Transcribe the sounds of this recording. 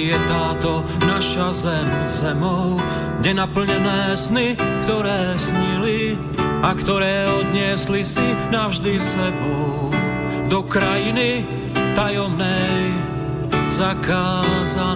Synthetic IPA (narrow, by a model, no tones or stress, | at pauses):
jɛt̪aːt̪ɔ | naʃazɛmzɛmɔʊ | ɡɲɛnapl̩ɲɛnɛːsnikt̪ɔɾɛːsɲili | akt̪ɔɾɛːɔd̪ɲɪɛslisinavʒd̪isɛbɔ | d̪ɔkɾajini | t̪ajɔmnɛj | zakaːza